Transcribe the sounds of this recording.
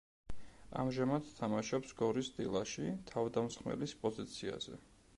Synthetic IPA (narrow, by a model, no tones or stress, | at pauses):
a̰mʒamad̪t̪ʰamaʃɔpsɡɔɾisd̪ilˠaʃit̪ʰavd̪amsχmɛ̰lispʼɔzit̪sʰia̰z̥ɛ̰